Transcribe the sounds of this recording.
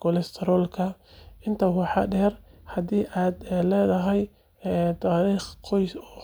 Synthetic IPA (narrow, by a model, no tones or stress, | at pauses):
kʰɔlɛst̪ʰɛɾɔːlkʰɐɪnt̪ʰɐwɑħɑ̰ɖɛːrhɐðiːʔaːd̪lɛːðɐɦɛj | t̪ʰaːɾiːχqɔjɔ